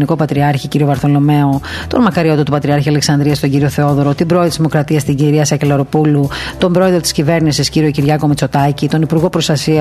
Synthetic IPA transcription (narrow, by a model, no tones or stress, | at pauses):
niko̞pɐt̪ɾiɐɾçiciɾio̞vɐɾθo̞lo̞me̞o̞ | t̪o̞̰nmɐkɐɾio̞t̪ot̪upɐt̪ɾiɐɾçiɐleksɐnd̪ɾiɐst̪oɲɟiɾioθe̞o̞ðo̞ɾot̪ibɾo̞ðt̪szimo̞kɾɐt̪iɐst̪iɟiɾiɐsɐcelɐɾo̞pulu | t̪o̞mbɾo̞eðɾot̪i̥scive̞ɾnisisciɾio̞ciɾʝɐko̞met͡so̞t̪ɐcit̪o̞nipuɾɣo̞pɾost̪ɐsiɐ